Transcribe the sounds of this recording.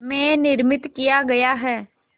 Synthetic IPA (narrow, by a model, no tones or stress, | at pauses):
mɛ̃ːnɪɾmɪt̪kijaɡɐjaɦɛː